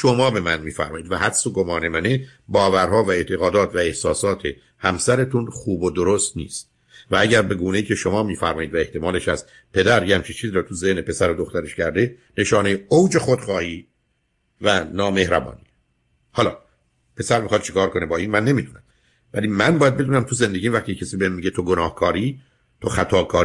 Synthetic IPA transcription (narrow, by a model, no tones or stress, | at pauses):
ʃomɒːbe̞mænmiːfæ̰ɾmɒːʔiːd̪væhæd̪soɡomɒːne̞mænebɒːvæɾɦɒːvæe̞t̪ʰe̞ɣɒːd̪ɒːt̪ʰvæe̞hsɒːsɒːt̪ʰe | hæmsæɾet̪ʰunχuːbod̪oɾost̪nḭːst̪ | vææɟæɾbe̞ɡuːne̞jiːcʰe̞ʃo̞mɒːmiːfæɾmɒːjiːd̪væeht̪ʰe̞mɒːleʃæst̪ | pʰe̞d̪æɾjeæmt͡ʃʰit͡ʃʰiːziːɾɒːt̪ʰuze̞hnepʰe̞sæɾod̪oxt̪æɾeʃcʰæɾd̪e̞ | ne̞ʃɒːnejeowd͡ʒe̞xod̪χɒːhiː | vænɒːme̞hɾæbɒ̰ːni | hɒːlɒː | pʰe̞sæɾmixɑd̪̚t͡ʃʰekʰɒːɾko̞nebɒːiːnmænːe̞miːd̪uːnæm | væliːmænbɒːjæd̪̚be̞d̪uːnæmt̪ʰuze̞nd̪eɟiːvæχt̪iːecʰːesiːbeemːiːɟet̪ʰoɡonɒːhkʰɒːɾiː | t̪ʰoxæt̪ʰɒːkʰɒː